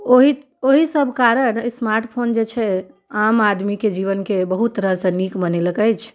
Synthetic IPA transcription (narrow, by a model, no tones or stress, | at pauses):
oɦi | oɦisəbʱkaɾənsmaɾʈpʰond͡ʒet͡ʃʰɛ | amad̪miked͡ʒiʋənkebəɦut̪ːəɾəsə̃nikbəneləkəjt͡ʃʰ